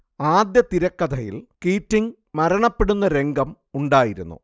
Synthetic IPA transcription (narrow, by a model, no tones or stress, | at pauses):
aːd̪jɐt̪iɾɐkːɐd̪ʱɐjḭlkiːtːiŋ | mɐɾɐɳɐpːe̞ɽunːɐɾe̞ŋɡɐm | uɳɖaːjiɾṵnːṵ